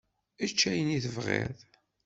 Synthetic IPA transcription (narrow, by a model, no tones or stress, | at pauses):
ət͡ʃːæjəniθəvʁḛɾð